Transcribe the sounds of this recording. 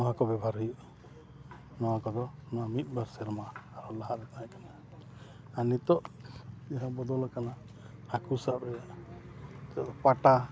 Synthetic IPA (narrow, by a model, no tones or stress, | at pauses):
nɔɦakɔbɛbʱaɾɦəjuʔ | nɔwãkɔd̪ɔnɔamit̪̚ˀbʱaɾsɛɾmaːɾɔlaɦaɾɛt̪aɦɛ̃kana | anit̪ɔʔd͡ʒɛɦãbɔd̪ɔlɔkana | hakusaʔbɛa | t̪ɔpaʈa